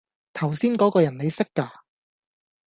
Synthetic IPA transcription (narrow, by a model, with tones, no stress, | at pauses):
t̪ʰɐ˨˩wsiː˥nkɔː˨˥kɔː˧jɐ˨˩nne˨˧jsɪ˥kːaː˧